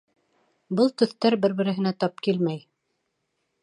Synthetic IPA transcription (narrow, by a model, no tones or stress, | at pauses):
bɤlˠt̪ɵ̆θt̪æɾbɘɾbɘ̆ɾɘ̆ɦɘ̆næt̪ɑp̚kilmæj